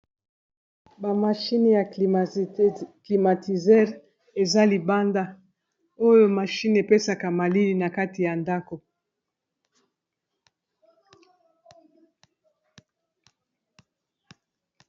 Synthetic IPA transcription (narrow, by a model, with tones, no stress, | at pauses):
ba˨ma˨ʃi˦ni˨ja˨ | kli˨ma˨ti˨zɛ˦ʁ | e˨za˦li˨ba˦nda˦ | o˦jo˦ma˨ʃi˦ne˨pe˦sa˨ka˨ma˨li˦li˨na˨ka˦ti˨ja˨nda˦ko˨